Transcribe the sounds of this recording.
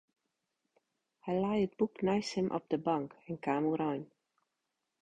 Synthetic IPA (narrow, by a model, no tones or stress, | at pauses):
hɛjlajəd̚buknajshəmʔɔ̰p̚dəbɑŋkɛnkaːmuɾɔjn